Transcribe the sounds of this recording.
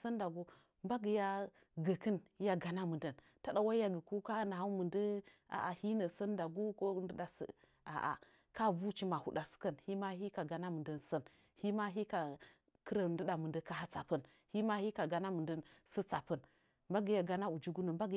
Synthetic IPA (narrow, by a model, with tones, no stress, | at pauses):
sə˦nda˨ɡu˦ | mba˦ɡə˨ja˦ | ɡə˨kə˦n˦ja˦ɡa˨na˦mɨ˨ndə˨n | ta˦ɗa˨wa˦ja˦ɡə˨ku˦ka˦na˨a˦mə˨ndə˦a̰˨ʔa˨hi˦nə˨sə˦nda˨ɡu˦ko˦ndə˦da˨sə̰˨ | a̰˨ʔa̰˨ | ka˦vu˦t͡ʃi˦ma˨hṵ˨ɗa˨sə̥˨kə˦nhi˦ma˦ɦi˦ka˨ɡa˨na˦mɨ˨ndə˦nsə˦n | hi˦ma˦ɦi˦ka˨ | kə˦ɾə˨ndə˦da˨mɨ˨ndə˦ka˦ɦa˦t͡sa̰˨pə˦n | hi˦ma˦hi˦ka˨ɡa˦na˦mɨ˨də˦nsə˦t͡sa˨pə˦n | mba˦ɡə˨ja˨ɡa˦na˦u˨d͡ʒu˦ɡu˦nə˨mba˦ɡ